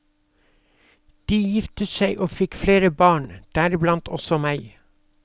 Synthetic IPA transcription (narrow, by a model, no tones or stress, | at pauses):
d̪̥iːjɪft̪əsæɪʔoːfɪkfleːɾəbɑːɳd̪̥æːɾblɑnt̪ʰɔ̰sɔmæɪ